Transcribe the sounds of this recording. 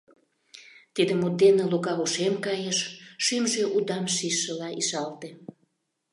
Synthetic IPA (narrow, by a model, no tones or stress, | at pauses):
t̪id̪ə̆mud̪̚enelukɑuʃemkɑjeʃʃymʒeʔud̪ɑmʃiʃːəlɑʔiʃɑlt̪e